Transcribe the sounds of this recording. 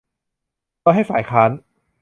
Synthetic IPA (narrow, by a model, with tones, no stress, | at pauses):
lɔː˥˧ɦa˥˩jfaː˨˩˦jkʰaː˦˥n